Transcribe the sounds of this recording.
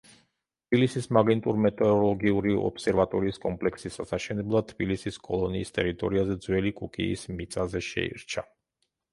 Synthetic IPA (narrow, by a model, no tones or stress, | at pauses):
t̪ʰb̥ilisismaɡɛnt̪ʼuɾmɛt̪ʼɛɾɔlˠɔɡiuɾiɔ̰psɛɾvat̪ʼɔɾiːskʼɔmpʼlɛksisasaʃɛnɛblˠad̪̚t̪ʰbilisiskʼɔlˠɔniːst̪ʼɛɾit̪ʼɔɾiazɛd̪zwɛlikʼukʼḭːsmit̪sʼazɛʃɛ̰ḭɾt͡ʃʰa